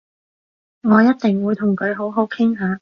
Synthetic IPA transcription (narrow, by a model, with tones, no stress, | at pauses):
ŋɔː˨˧jɐ˥t̚t̪ɪ˨ŋwuː˨˧jt̪ʰʊ˨˩ŋkɵ˨˧ɥɦo˨˥wɦo˨˥wkʰɪ˥ŋɦaː˨˧